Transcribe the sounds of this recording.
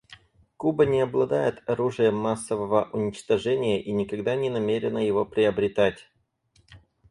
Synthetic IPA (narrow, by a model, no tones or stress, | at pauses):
kubənʲɪɐblˠɐd̪ajɪt̪ɐɾuʐɨjəmːasːəvəvəʔʊnʲɪt͡ɕt̪ɐʐɛnʲɪjəʔinʲɪkɐɡd̪anʲɪnɐmʲeɾʲɪnəjɪvo̞pɾʲɪəbɾʲɪt̪atʲ